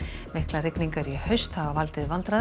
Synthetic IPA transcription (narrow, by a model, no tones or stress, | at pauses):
mɪhklarɪkniŋkaɾihœɥst̪havavalt̪ɪðvant̪ɾa